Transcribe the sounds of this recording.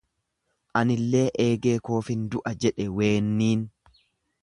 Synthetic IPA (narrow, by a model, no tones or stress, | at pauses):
ʔɐnɪlːe̞ːʔeːɡe̞ːko̞ːfɪnd̪ʊʔɐd͡ʒɛᶑɛwe̞ːnːiːn